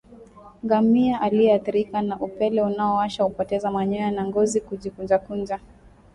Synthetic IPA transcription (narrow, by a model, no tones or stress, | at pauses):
ŋɡamiaʔaliɛaθiɾikanaʔupɛlɛunaɔaʃaupɔtɛzamaɲɔjanaŋɡɔzikud͡ʒikund͡ʒakund͡ʒa